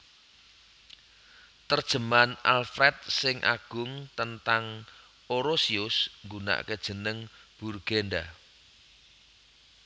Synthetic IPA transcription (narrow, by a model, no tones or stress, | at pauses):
t̪ərd̥ʒ̥ə̤manalfɾɛt̪̚sɪŋʔa̰ɡ̥ʊŋt̪ənt̪aŋ | oɾosiʊsŋɡuna̰ʔked̥ʒ̥ə̤nəŋb̥urɡ̥enda